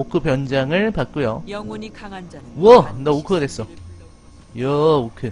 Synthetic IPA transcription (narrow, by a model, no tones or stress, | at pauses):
okʰɯpjʌnd͡ʑaŋɯɭpak̚k͈ujo | wʌnʌokʰɯɡadwes͈ʌ | jʌokʰɯ